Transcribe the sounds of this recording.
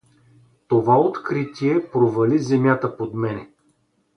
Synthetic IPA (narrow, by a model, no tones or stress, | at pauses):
t̪ovaot̪kɾit̪ʲiɛpɾovɐlizɛmʲjat̪əpod̪mɛnɛ